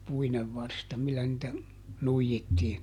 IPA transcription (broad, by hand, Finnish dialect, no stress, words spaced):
puineʋ ʋɑrstɑ milːæ nĭtæ nuijitːiːn